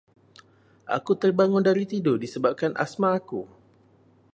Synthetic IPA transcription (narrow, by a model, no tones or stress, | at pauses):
ʔa̰kut̪ərbaŋʊndaɾit̪idʊdisəbap̚kanʔa̰smãːku